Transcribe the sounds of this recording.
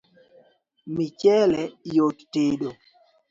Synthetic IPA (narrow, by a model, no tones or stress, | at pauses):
mit͡ʃɛlɛjotteɗo